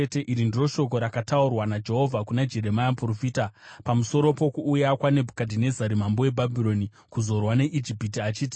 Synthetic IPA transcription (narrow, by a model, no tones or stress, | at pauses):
ete̞ʔiɾindiro̞ʃo̞ko̞ɾakataurwanad͡ʒe̞ɦo̞vʱakunad͡ʒe̞ɾe̞majampurofiːtapamuso̞ɾo̞po̞kuːjakwane̞bʱukadʱine̞zaɾimambowe̞bʱabʱiɾo̞ni | kuzo̞rwane̞ʔid͡ʒipit̬iat͡ʃiːti̥